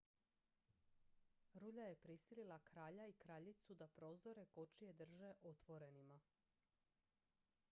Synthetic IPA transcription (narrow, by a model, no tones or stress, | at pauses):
ɾuːʎaje̞pɾisililˠakɾaːʎaikɾaːʎit̪sud̪apɾo̞ːzo̞ɾe̞ko̞t͡ʃije̞d̪r̩ʒeʔo̞t̪ʋo̞ɾe̞nima